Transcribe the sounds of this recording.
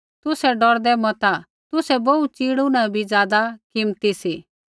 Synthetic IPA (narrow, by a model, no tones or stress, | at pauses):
t̪ʊsɛɖɔɾd̪ɛmɐt̪a | t̪ʊsɛbout͡siːɽunãbʱid͡zjaːd̪akɪmt̪isi